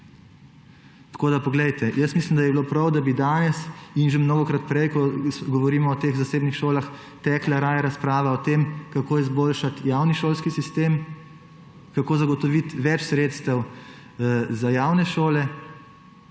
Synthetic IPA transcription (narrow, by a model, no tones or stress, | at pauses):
t̪koːd̪apɔɡlɛjt̪ɛjəst̪mislimd̪ajɛbiloːpɾɐwd̪abid̪aːnɛsinʒemnoːɡɔkɾat̪̚pɾɛjkɔɡɔʋɔɾiːmɔːt̪eːɣzaseːbnixʃoːlax | t̪ɛːklaɾaːjaɾaspɾaːʋaɔt̪eːmkakoːizboːlʃat̪jawniʃoːlskisist̪eːm | kakoːzaɡɔt̪ɔʋit̪ʋɛt͡ʃsɾeːt̪st̪ɐw | zajawnɛʃoːlɛ